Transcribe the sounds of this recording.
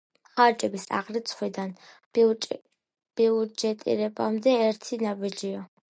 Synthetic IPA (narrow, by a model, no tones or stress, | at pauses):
χaɾt͡ʃʼɛbisa̰ʁɾit̪sʰχwid̪an | b̥iɔd͡ʒɛt̪ʼḭɾɛbamd̪ɛːɾt̪ʰinabid͡ʒia